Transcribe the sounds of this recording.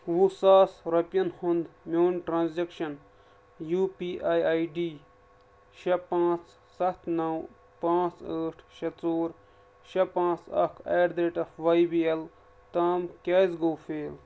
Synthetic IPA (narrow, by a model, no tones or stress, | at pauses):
ʋusaːsɾɐpʲjɐnhʊnd̪mʲoːnʈɾãːnzekʃɐn | juːpiːʔaːjaːjɖiː | ʃɐpãːt͡s | sɐt̪ʰnɐw | pãːt͡səːʈʰʃɐt͡soːɾ | ʃɐpãːt͡sɐ̰kʰeːɾd̪ɾeːʈɐfʋɐjbiel | t̪aːmkʲeːzɡoːfeːl